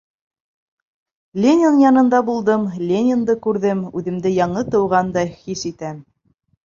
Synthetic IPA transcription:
lʲenʲɪnjɑnɤ̆nd̪ɑbulˠd̪ɤmlʲenʲɪnd̪ɤkʉɾðɘmʉðɘ̆md̪ɘjɑɴɤt̪ɤ̆wʁɑnd̪ɑjχisit̪æm

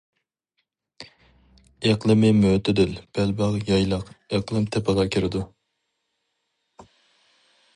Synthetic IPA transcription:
eqlˠɪmɪmøt̪ɪd̪ɪlb̥ɛlbɑʁjɑjlˠɑqeqlˠɨmt̪ʰɛpɑlˠɑkʲʰeɾɪd̪u

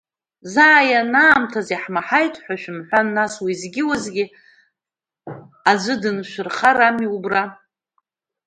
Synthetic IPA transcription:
zaːjanaːmtʰaziħmaħajtʰʼħʷᶣaʃᶣɪmħʷannːaswizɡʲɪwazɡʲɪ | ad͡ʒʷɨdɨnʃʷɨrχaɾamiubra

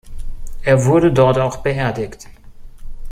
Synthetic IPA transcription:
ʔeːɐvʊɐdədɔɐtaʊxb̥əʔeːɐdɪkt

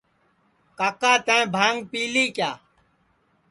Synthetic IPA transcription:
kaːkaːt̪ãẽːbʱaːŋɡ̚piːliːkjaː

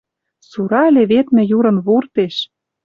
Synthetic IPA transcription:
suɾɑlʲeβet̪mɘ̆juɾɤ̆nβurt̪eʃ

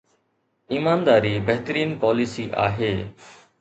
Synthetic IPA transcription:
iːmaːnd̪aːɾiːbɛɦt̪əɾiːnpɔːlisiːʔa̰ːɦeː

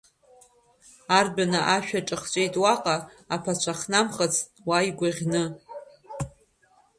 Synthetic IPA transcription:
arbanɨʔaʃᶣaʈ͡ʂʼɨχt͡ʃʷʼejtʼwaqʼaː | pʰat͡ʃʷʰaχnamχat͡sʰʼ | wajɡʷaʁʲnɨ

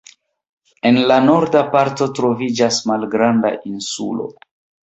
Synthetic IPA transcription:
e̞nlano̞ɾdapaɾto̞tɾo̞vid͡ʒasmalɡɾanda̰ʔinsṵlo̞̰

